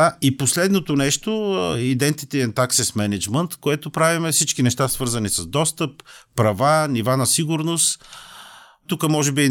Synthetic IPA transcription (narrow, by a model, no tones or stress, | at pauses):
aiposlɛd̪not̪onɛʃt̪oid̪ɛnt̪it̪iɛnt̪aksismɛnɛd͡ʒmənt̪koɛt̪opɾavimɛfsit͡ʃkinɛʃt̪asvɤɾzɐnisɐzd̪ɔst̪əpːɾɐvanivanɐsiɡʊɾnost̪ | t̪ukəmɔʒɛbi